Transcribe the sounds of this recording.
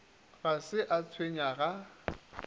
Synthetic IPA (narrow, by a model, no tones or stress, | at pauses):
ɣasɪʔat͡sʰweɲaɣa